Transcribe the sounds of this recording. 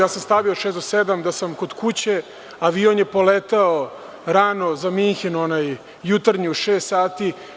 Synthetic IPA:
jaːsamst̪aʋioʃeːsd̪osed̪amd̪asamko̞d̪kut͡ɕe̞ | aʋionjepolet̪ao | ɾano̞zamiŋxinonajː | ut̪aɾɲiuʃeːst̪saːt̪i

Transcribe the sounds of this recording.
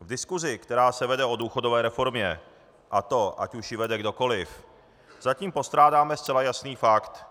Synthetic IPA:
vdɪskuzɪkt̪ɛɾaːsɛvɛdɛo̞duːxo̞do̞vɛːɾɛfo̞ɾmɲɛ | ʔat̪o̞ʔa̰cuʃjɪvɛdɛɡdo̞ko̞lɪf | z̥aciːmpo̞st̪ɾaːdaːmɛst͡sɛlajasniːfakt̪

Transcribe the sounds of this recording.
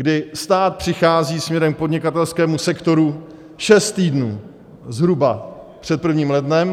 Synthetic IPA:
ɡdɪst̪aːt̪̚pr̝̥ɪxaːziːsmɲɛɾɛmk̚po̞dɲɪkat̪ɛlskɛːmusɛkt̪o̞ɾu | ʃɛst̪t̪iːdnuː | zɦɾubapr̝̥ɛt̪̚pr̩vɲiːmlɛdnɛm

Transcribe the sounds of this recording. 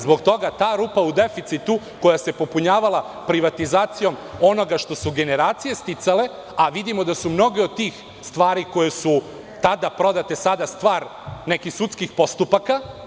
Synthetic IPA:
zbo̞ɡt̪o̞ɡat̪aːɾuːpaud̪e̞fit̪sit̪u | ko̞jase̞po̞puɲaːʋalˠa | pɾiʋat̪izaːt̪sijo̞mo̞no̞ɡaʃt̪o̞suɡe̞ne̞ɾaːt̪sije̞st̪it̪sale̞ | aʋid̪imo̞d̪asumno̞ɡeod̪̚t̪ːiːx | st̪ʋaːɾiko̞jesu | t̪ad̪apɾo̞d̪at̪e̞sad̪ast̪ʋaːɾne̞kixsut̪skixpo̞st̪upaka

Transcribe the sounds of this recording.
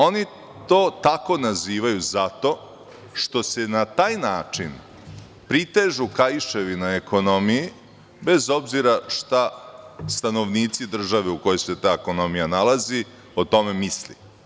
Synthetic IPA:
o̞ni | t̪o̞ːt̪ako̞naziːʋajuzat̪o̞ | ʂt̪o̞se̞nat̪aːjnaːt͡ʂin | pɾit̪e̞ːʒukajiʃe̞ʋinaeko̞no̞miji | be̞zo̞bziɾaʃt̪ast̪ano̞ʋniːt̪sid̪r̩ʒaʋeuko̞jojse̞t̪aːeko̞no̞mijanalazi | ot̪o̞me̞mislḭ

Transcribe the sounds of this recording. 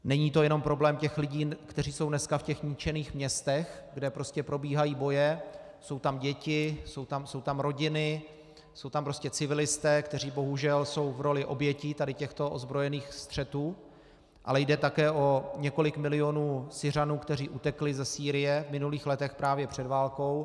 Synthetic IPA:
nɛɲiːt̪o̞jɛno̞mpɾo̞blɛːmcɛxlɪɟiːkt̪ɛr̝iːso̞wnɛskafcɛxɲɪt͡ʃɛniːxmɲɛst̪ɛxɡdɛpɾo̞scɛpɾo̞biːɦajiːbo̞jɛ | so̞wt̪amɟɛcɪso̞wt̪amso̞wt̪amɾo̞ɟɪnɪ | so̞wt̪ampɾo̞scɛt͡sɪvɪlɪst̪ɛːkt̪ɛriːbo̞ɦuʒɛlso̞wvɾo̞lɪʔo̞bjɛciːt̪adɪcɛxt̪o̞ʔozbɾo̞jɛniːxst̪r̝̥ɛt̪uː | ʔa̰lɛjdɛt̪akɛːʔo̞ɲɛko̞lɪkmɪlɪjo̞nuːsɪr̝anuːkt̪ɛr̝iːʔut̪ɛklɪzɛsiːɾɪjɛvmɪnuliːxlɛt̪ɛxpɾaːvjɛpr̝̥ɛdvaːlko̞w

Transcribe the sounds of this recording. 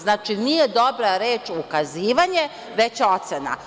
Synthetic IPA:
znaːt͡ʃinijed̪o̞bɾaɾe̞ːt͡ʃukaziːʋaɲe | ʋe̞t͡ɕo̞t̪sena̰

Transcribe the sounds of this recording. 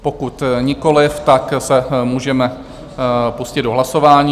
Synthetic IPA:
pokut̪ɲɪko̞lɪft̪aksɛmuːʒɛmɛ | puscɪd̪̚doɦlaso̞vaːɲiː

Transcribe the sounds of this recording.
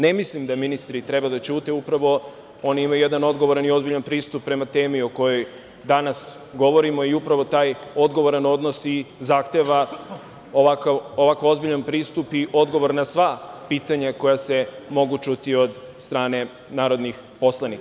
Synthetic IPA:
ne̞mislimd̪aminist̪ɾit̪ɾe̞bad̪at͡ɕut̪eupɾaʋo̞ | o̞ːniimajuje̞d̪ano̞d̪ɡo̞ʋoɾanio̞zbiʎanpɾiːst̪upːɾe̞mat̪eːmio̞ko̞jo̞j | d̪anas | ɡo̞ʋo̞ɾimo̞iupɾaʋo̞t̪aːjo̞d̪ɡo̞ʋo̞ɾano̞d̪nosizaxt̪e̞ʋa | oʋakaʋo̞ʋakoo̞zbiʎanpɾiːst̪upiʔo̞d̪ɡo̞ʋo̞ɾnasʋapiːt̪aɲako̞jase̞mo̞ɡut͡ʃut̪io̞d̪ | st̪ɾaːne̞ | naːɾo̞d̪nix | po̞slˠanika

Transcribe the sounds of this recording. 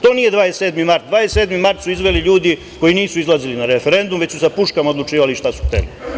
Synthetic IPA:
t̪o̞ːnije̞d̪ʋaːesseːd̪mimaɾt̪̚d̪ʋaːjesed̪mimaɾt̪suizʋeliʎuːd̪i | ko̞jiniːsuizlˠazilinaɾefe̞ɾe̞nd̪umʋe̞t͡ɕsusapuʃkamaod̪lˠut͡ʂiːʋaliʃt̪asu̥xt̪ḛlḭ

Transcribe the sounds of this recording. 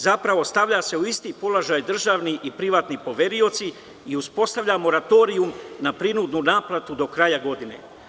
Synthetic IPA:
zapɾaʋo̞st̪aʋʎase̞uist̪iːpo̞laʒajd̪r̩ʒaːʋniʔipɾiʋaːt̪nipo̞ʋe̞ɾio̞t̪si | iuspo̞st̪aʋʎamo̞ɾat̪o̞ːɾiumnapɾinud̪nunaːplˠat̪ud̪o̞kɾajaɡo̞d̪inḛ

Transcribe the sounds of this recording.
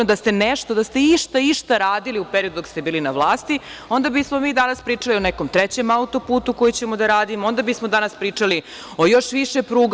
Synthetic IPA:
od̪ast̪e̞neʃt̪o̞d̪ast̪e̞iʃt̪aiʃt̪aɾaːd̪iliupeɾiod̪ud̪ost̪e̞biːlinaʋlˠaːst̪io̞nd̪abismo̞miːd̪anaspɾiːt͡ʂalio̞neko̞mt̪ɾet͡ɕe̞maut̪o̞puːt̪uko̞jit͡ɕe̞mo̞d̪aɾaːd̪imoo̞nd̪abismo̞d̪anaspɾiːt͡ʂali | ojo̞ʃʋiʃepɾuːɡ

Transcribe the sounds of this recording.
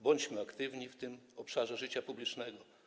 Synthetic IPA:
bɔɲd͡ʑmɘakt̪ɘvɲift̪ɘmɔpʂaʐɛʐɘt͡ɕapublʲit͡ʂnɛɡɔ

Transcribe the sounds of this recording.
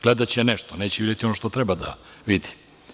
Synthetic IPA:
ɡ̥led̪at͡ɕeneʃt̪oneːt͡ɕeʋid̪jet̪ionoʃt̪ot̪ɾebad̪a̰ʋid̪i̥

